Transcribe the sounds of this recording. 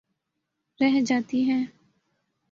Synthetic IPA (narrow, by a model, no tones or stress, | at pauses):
ɾɛɦd͡ʒaːt̪iɦɛ̃ː